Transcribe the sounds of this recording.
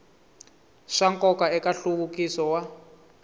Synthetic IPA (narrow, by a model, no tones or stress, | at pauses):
ʂaŋkʼɔkaɛkaɬuɣukisɔwa